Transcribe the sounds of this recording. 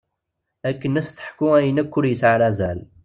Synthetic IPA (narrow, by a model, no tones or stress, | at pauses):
ækːənæst̪ə̥ħkuæjnækːʊɾjəsʕalæzæl